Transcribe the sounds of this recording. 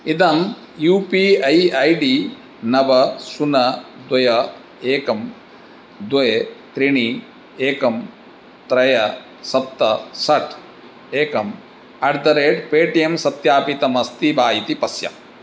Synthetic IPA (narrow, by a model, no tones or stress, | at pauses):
id̪ɐm | juːpiːɐjɐjɖiː | nɐbɐsunɐd̪wɐjɐ | eːkɐm | d̪ɐjet̪ɾiɳ̃i | eːkɐm | t̪ɾɐjɐ | sɐp̚t̪ɐsɐʈʰ | eːkɐm | ɐɖd̪ɐɾeːʈpeːʈijemsɐt̪jaːpit̪ɐmɐst̪ibʱaːjit̪ipɐsjɐ̰